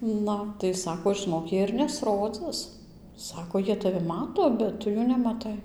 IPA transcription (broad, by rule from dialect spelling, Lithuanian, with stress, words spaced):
ˈnʊ tɐɪ ˈsɑːkoː ʒɨˈnoːk ˈjiɛ ɪr nʲɛsˈroːd͡zɨs ˈsɑːkoː ˈjiɛ tɐˈʋʲɪ ˈmɑːtoː bʲɛt ˈtʊ juː nʲɛmɐˈtɐɪ